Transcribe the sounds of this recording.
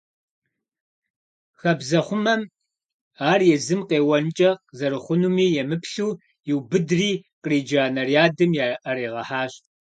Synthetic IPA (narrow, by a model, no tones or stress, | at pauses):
xɐbzɐχʷʊmɐm | aːrjɛzɨmqeːwɐnt͡ʃʼɐqzɐɾɨχʷʊnumiːjɛmɨpɬuː | jɪwbɨdriːqriːd͡ʒaːnɐrjaːdɨmjaʔɐɾeːʁɐ̰ħaːɕʼ